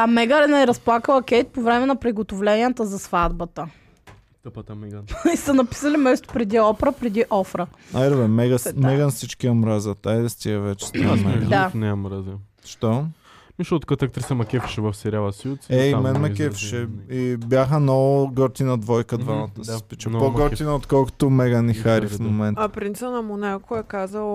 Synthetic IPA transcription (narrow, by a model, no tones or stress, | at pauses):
ɐmɛɡəɾɛnɛɾɐsplˠakəlˠɐkʲɛjt̪̚povɾɛmɛnɐpɾiɡot̪ovlɛnʲiət̪əzɐsvad̪bət̪ə | p̪isɐnɐpi̥səlimɛst̪ʊ̥pɾɛd̪iɔpɾəpɾɛd̪iʔɔfɾəajɾobɛmɛɡəmɛɡənsit͡ʃkʲiomɾazət̪ajd̪ɛst̪iəvɛt͡ʃɛ̥st̪imɛd̪anɛomɾazi | ʃt̪ɔ | miʃot̪kɐt̪ak̚t̪ɾisɐmɐkʲɛfi̥ʃɛvɐfsɛɾʲalˠɐsisɛimɛnmɐkʲɛfi̥ʃɛibʲjaxənɔɡɔɾt̪inɐd̪vɔjkəd̪vamɐt̪əsɛspit͡ʃəpoɡɔɾt̪inɐot̪kɔlˠko̥t̪ʊmɛɡənixaɾifmomɛnt̪apɾint̪sinɐmunɛkʊɛkazəlˠ